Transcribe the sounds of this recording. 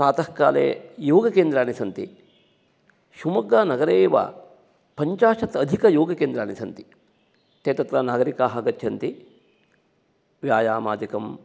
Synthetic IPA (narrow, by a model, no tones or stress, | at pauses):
pɾaːt̪ɐhka̰ːlḛːjoːɡɐkeːnd̪ɾaːnisɐnt̪ḭ | ʃumɐɡaːnɐɡɐɾeːʋa̰ | pɐɲt͡ʃaːʂɐt̪ɐd̪ʱikɐjoːɡɐkeːnd̪ɾaːnisɐnt̪i̥ | t̪eːt̪ɐt̪ɾɐnaːɡɐɾikaːɦɐɡɐt̪ʰjɐnt̪i | ʋjaːjaːmaːd̪ikɐm